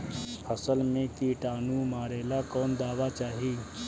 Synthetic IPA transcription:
əsəlmẽt̪iʈanumaɾelakɔnd̪aʋat͡ʃaɦi

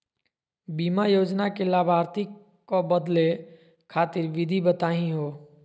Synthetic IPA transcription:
biːmajoːd͡ʒnakelaːbʱaːɾt̪i | kobəd̪le | kʰaːt̪ɪɾʋɪd̪ʱibət̪aːɦĩɦoː

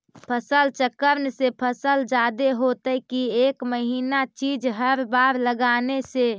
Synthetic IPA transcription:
pʰəsəlt͡ʃəkəɾnsepʰəsəld͡ʒad̪eɦot̪əkiekməɦiːnat͡ʃid͡ʒɦəɾbaɾləɡanese

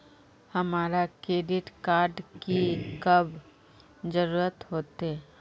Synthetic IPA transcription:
hɐmaːɾakɾeːɖɪʈkaːɾɖkikɐb | d͡ʒəɾuːɾət̪ɦoːt̪ɦɛ

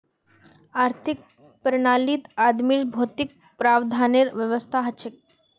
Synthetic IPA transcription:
aɾt̪ʰik̚ | pɾəɳaliːt̪ad̪miːʂbʱot̪ik̚ | pɾabd̪ʱaneɾʋjəʋəst̪ʰaɦət͡ɕʰek̚

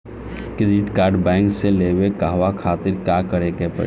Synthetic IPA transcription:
kɾeɖɪʈkaːɾɖbɛ̃ːŋkselebekaɦʋakʰaːt̪ɪɾkjakəɾekepə̰

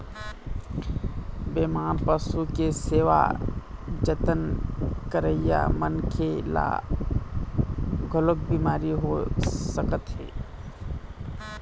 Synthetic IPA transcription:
beːmaːnpəsukeseːʋa̰ | d͡ʒət̪ənkəɾəja̰mənkʰela̰ | ɡʱʊlok̚biːmaːɾiɦosəkət̪ɦḛː

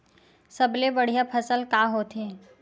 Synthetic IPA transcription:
səblebɐɽ̤ijapʰəsəlkaːɦot̪ɦe

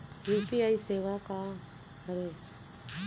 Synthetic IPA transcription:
juːpiaiseːʋaka | həɾe

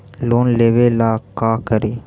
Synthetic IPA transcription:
loːnleːʋeːlaːkaːkəɾiː

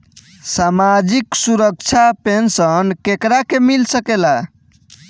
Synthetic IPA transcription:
samad͡ʒiksuɾək̚t͡ʃʰapensənkekɾakemilsəkela

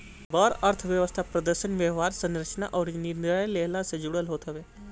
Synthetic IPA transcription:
baːɾəɾt̪ʰʋjəʋəst̪ʰapɾəd̪əɾʃənʋjəɦaːɾsə̃nɾət͡ʃna̰ʔɔːɾnɪɾnɾəəleːɦlased͡ʒʊɽəlɦoːt̪ɦəʋeː

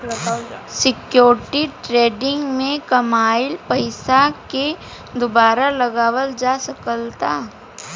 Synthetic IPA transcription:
sɪkjoːɾʈiʈɾeːɖɪ̃ŋɡmẽkɐmaːɪlpɐɪsake | d̪ʊbaːɾalɐɡaːwəld͡ʒasɐkəlt̪aː

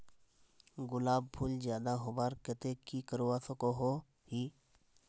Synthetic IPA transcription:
ɡʊlaːb̚pʰuːld͡ʒjaːd̪aɦobaːɾkət̪ekikəɾowaːsokoɦo | hiː

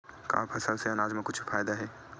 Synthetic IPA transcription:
ka̰ːpʰɐsəlseɐnaːd͡ʒmẽkʊt͡ʃʰfʰaːjd̪aɦɛː

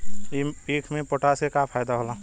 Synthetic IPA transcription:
ipikʰmẽpoʈasekapʰaːjd̪aɦolã

